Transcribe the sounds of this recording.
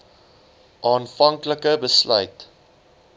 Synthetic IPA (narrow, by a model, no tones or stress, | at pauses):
ʔɑːnfɐŋkləkəbəslœ̰ɥt